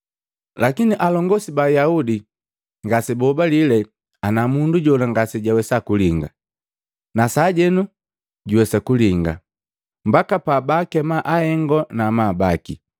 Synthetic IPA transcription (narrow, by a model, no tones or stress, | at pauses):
lakiniʔalɔŋɡɔsibajaudi | ŋɡasibɔbalilɛ | anamunduɟɔlaŋɡasiɟawɛsakuliŋɡa̰ | nasaːɟɛnu | ɟuwɛsakuliŋɡa̰ | mbakapaːbakɛmaʔahɛŋɡɔnamabaki